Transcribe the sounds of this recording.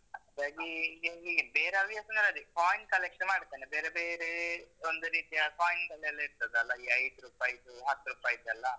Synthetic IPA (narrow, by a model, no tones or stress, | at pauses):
ad̪aːɡiɡeɡibeːɾeɐʋijasɐnɐlɐd̪ikaːjnkɐlek̚ʈmaːɽt̪ːeːnebeːɾebeːɾeond̪uɾiːt̪ijɐkaːjnɡ̪ɐlelːɐiɽt̪oːd̪ɐlːɐiɐjd̪ɾuːpaːjit̪uɦɐt̪ːɾuːpaːjid̪ɐlːɐ